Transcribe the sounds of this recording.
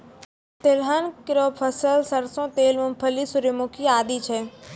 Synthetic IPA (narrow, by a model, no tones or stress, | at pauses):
t̪elɦənkɪɾoːpʰəsəlsəɾsõːt̪eːlmʊmpʰəlisʊɾimʊkʰiaːd̪iːt͡ʃʰɛː